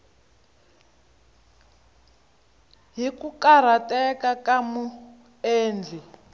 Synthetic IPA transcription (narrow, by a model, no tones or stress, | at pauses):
ɦikukaɾ̤atɛkakamu | eːnd͡ɮʱi